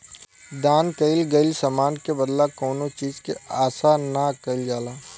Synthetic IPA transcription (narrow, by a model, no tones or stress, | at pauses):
d̪aːnkəɪlɡəɪlsɐmaːnkebəd̪lakɔːnot͡ʃiːzkeaːsanakəɪld͡ʒaːlaː